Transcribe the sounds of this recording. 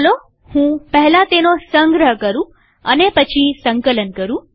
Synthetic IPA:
lo | hũːpəɦlat̪enosəŋɡɾəɦəkəɾũ | ənepət͡ɕʰisəŋkələnkəɾũː

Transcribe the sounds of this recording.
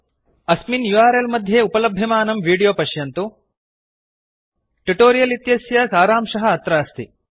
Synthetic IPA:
ɐsminjuaːɾelmɐd̪ʱjeupɐlɐbʱjɐmaːnɐmʋiːɽijoːpɐʃjɐnt̪u | ʈuʈoːɾijɐlit̪jɐsjɐsaːɾaːmʃɐɦɐːt̪ɾaːst̪i

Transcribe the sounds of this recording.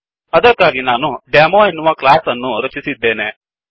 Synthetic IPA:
ɐd̪əkːaːɡinaːnuɖeːmoːenuʋaklaːsɐnːuɾɐt͡ʃisid̪ːeːne

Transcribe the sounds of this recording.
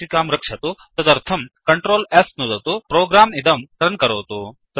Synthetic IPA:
ikaːmɾɐkʂɐt̪ot̪ɐd̪ɐɾt̪ʰɐmkɐɳʈɾoːlesnud̪ɐt̪opɾoːɡɾaːmid̪ɐmʈɐɾnkɐɾoːʋt̪ot̪ɐ

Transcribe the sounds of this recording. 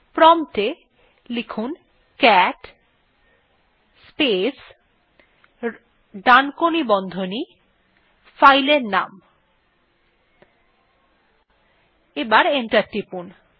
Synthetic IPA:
pɾɔmʈe | likʰun | kɛʈ | spes | ɖankonibɔnd̪ʱoni | fajleɾna̰m | ebaɾeɳʈaɾʈɾipun

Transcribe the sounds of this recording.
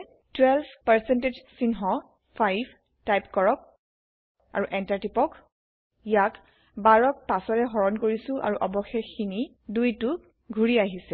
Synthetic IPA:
twɛlpʰpaɹsɛnted͡ʒsinɦɔ | pʰajb | tajpkɔɹɔk̚ | a̰ɹuʔɛntaɹtipɔk | ijak | baɹɔk̚pasɔɹɛxɔɹɔnkoɹisʊ̃ʔa̰ɹuʔɔbɔxɛxini | dujtu | ɡʱuɹiaɦisɛ

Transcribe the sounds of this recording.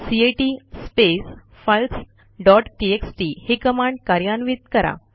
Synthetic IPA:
sieʈispes | falks | ɖɔʈʈieksʈihekəmãɳɖkaɾjanʋit̪kəɾa̰

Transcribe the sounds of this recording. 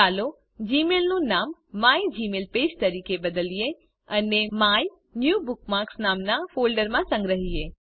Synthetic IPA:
alo | d͡ʒimelnũnamːaid͡ʒimelped͡ʒt̪əɾikebəd̪əlije | ənemaj | njubʊk̚maɾksnamnafolɖəɾmãsə̃ŋɡɾəɦie

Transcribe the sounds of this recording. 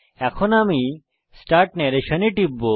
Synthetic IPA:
ɛkʰonami | sʈaɾʈnɛɾeʃɐneʈibːo

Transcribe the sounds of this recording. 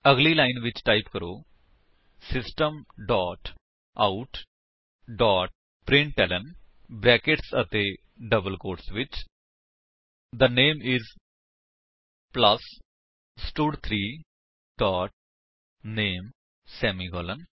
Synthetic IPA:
əɡliːlaːɪnʋɪt͡ʃʈaːipkəɾoː | sɪsʈəmɖɔːʈ | aʊʈ | ɖɔːʈ̚ | pɾɪ̃ɳʈʈɛːlən | bɾɛːkɪʈsət̪eː | ɖəbəlkoːɾʈsʋɪt͡ʃ | d̪əneːmɪz | pləs | sʈuːɖt̪ʰɾiː | ɖ̥ɔːʈ̚ | neːm | sɛːmiːɡɔːlən

